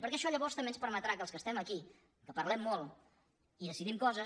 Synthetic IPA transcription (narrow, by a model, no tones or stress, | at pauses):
pəɾkɛəʃɔʎəβɔɾst̪əmbenspəɾmət̪ɾakəlˠskəst̪ɛməki | kəpəɾlɛmːɔlˠ | iðəsiðimkɔzə